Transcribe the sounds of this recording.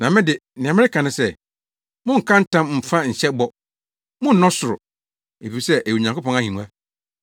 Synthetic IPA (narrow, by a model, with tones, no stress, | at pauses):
nã˨mɪ̃˦dɪ˨nɪ̃˨ã˨mɪ̃˦ɪ˦kʰã˨nɪ̃˦sɛ˦ | mʊ̃˦ŋ̩˨kʰã˦n̩˦tʰã˦mm̩˨fã˦ɲ̩˨ɕɛ˦bɔ˦ | mʊ̃˦n̩˦nɔ̃˦sʊ˨ɾʊ̰˨ | e˨fi˨sɛ˦ʔe˨ɲã˨ŋko˦pɔ̃˦ŋa˦hĩ˨nũ˦a˦